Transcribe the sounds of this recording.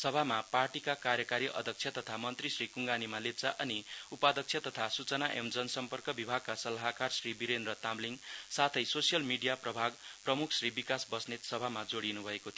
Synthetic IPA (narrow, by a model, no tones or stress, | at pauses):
sʌbʱamaparʈikakaɾjʌkaɾiʔʌ̰d̪ʱʌk̚t͡sʰjʌt̪ʌt̪ʰamʌnt̪risrikuŋɡanimalep̚t͡saʔʌniupad̪ʱʌk̚t͡sʰjʌt̪ʌt̪ʰasut͡sʌnaʔemd͡zʌnʌsʌmpʌrkʌbibʱaɡ̚kasʌlaɦakarsribiɾenrʌt̪amliŋsat̪ʰʌjsosijʌlmiɖijaprʌbʱaɡprʌmukʰsribikasbʌsnet̪sʌbʱamad͡zoɽinubʱʌekot̪ʰi